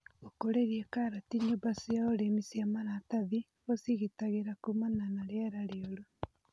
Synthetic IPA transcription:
okoɾeɾiekaɾatiɲobasiaoɾemisiamanataði | osiɣitaɣeɾakumananaɾeaɾaɾeoɾo

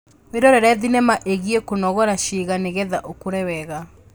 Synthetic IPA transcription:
weɾɔɾɛɾɛðinɛmaʔeɣiekonɔɣɔɾaʃiɣaneɣɛðaʔokoɾɛwɛɣa

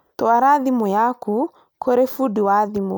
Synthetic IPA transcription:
tɔwaɾaðimɔjaku | kʰɔɾefudiwaðimɔ̰

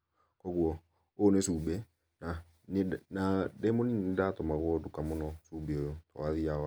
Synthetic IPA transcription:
kɔɣuɔ | onesubɛ | na | nnadɛmoninnedatɔmaɣwɔdukamɔnɔsubeojotɔ̰waðiaa

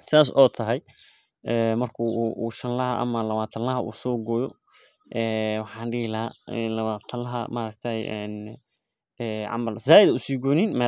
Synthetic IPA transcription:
saːs̬ɔːt̪ʰɐɦɛj | ʔɛːmɐrkʰuːʃɐnlɐɦɐʔɐ̰mɐlɐβaːt̪ʰɐnllɐɦɐʔṵːsɔːɡɔːjɔ | ʔɛːwɑħɑːnɖiːlɐanlɐβaːt̪ʰɐlɐɦɐ̰maɾɐk̚t̪ʰaːjɛn | ɛːʕɑ̰mɐlsaːjɪðɐʊsiːɡɔːninmɛː

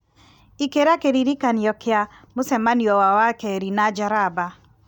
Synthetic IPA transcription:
ikeɾakeɾiɾikaniɔkea | mʊsɛmaniɔwawakɛɾinad͡ʒaɾaba

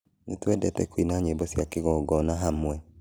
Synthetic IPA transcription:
netwɛdɛtɛkwinaɲebɔsjakeɣɔɡɔnaɦamwɛ

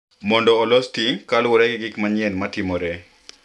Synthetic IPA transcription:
mɔndɔːlɔstikalʊɾɛɡɪɡɪkmaɲɛnmatɪmoɾɛ

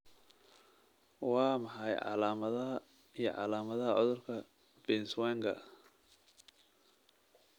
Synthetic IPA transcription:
wɑːmɐħɑjʕɑ̰laːmɐðɐɦɐ | ijɔ̰ʕɑ̰laːmɐðɐɦɐʕɔðʊrkʰɐ | b̥ɛnswaːŋkʰɐ̰

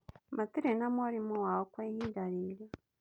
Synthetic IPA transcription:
matiɾenamaɾimuwawokwejidaɾiːɾa

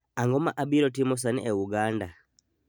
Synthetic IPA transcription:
aŋɡɔmaʔabiɾɔt̬imɔs̬anɛ̰ʔɛuɡanda

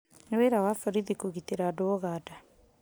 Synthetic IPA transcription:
neweɾawafɔɾiðikoɣiteɾadoɔɣada

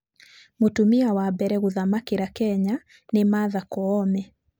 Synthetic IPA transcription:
motumiawabɛɾɛɣuðamakiɾakɛɲa | nemaðakɔɔmɛ

